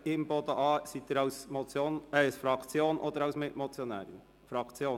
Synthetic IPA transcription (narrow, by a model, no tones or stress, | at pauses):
ɪmbod̪əʔɑːsiːt̪eːɾɑʊsmɔt͡sjoːnɛʊsfɾɑkt͡sjoːnʔoːd̪əɾɑʊsmɪtmɔt͡sjɔnæ̰ːɾən | fɾɑkt͡sjoːn